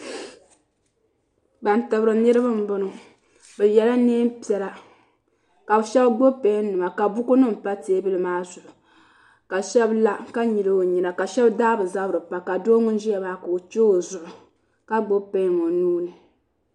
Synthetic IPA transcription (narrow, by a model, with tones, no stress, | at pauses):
ba˨n˨tɨ˨bɾɨ˨nɨ˦ɾɨ˦ba˦m̩˦bʊ˦nʊ˨ | bɛ˨jɛ˨la˦neː˦mpi˨ɛ˨la˨ | ka˨bʃɛ˦bɡ͡bo˦pɛ˦n˦nɨ˨ma˨ka˨bʊ˦ku˦nɨ˦m̩˨pa˦te˦bɨ˦lɨ˨maː˦zʊ˨ʔʊ˨ | ka˨ʃɛ˦bla˦ka˦ɲi˨lɨ˦o˨ɲi˨na˨ka˨ʃɛ˦bdaː˦bɨ˨za˦bɾɨ˨pa˨ka˨doː˦ŋʊ˦n˦ʒi˦a˨maː˦ka˨o˨t͡ʃo˦o˨zʊ˨ʔʊ˨ | ka˦ɡ͡bo˦pɛ˦ŋo˨nuː˦nɨ˨